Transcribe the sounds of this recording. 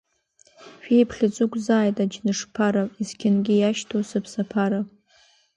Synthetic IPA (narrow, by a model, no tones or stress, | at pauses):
ʃᶣejpʰχʲɪt͡sʼʊkʷʰʼzaːjtʼad͡ʒnɨʂpʰaɾaizkʲʰɪnɡʲɪjaʃtʰosɨpʰsapʰaɾa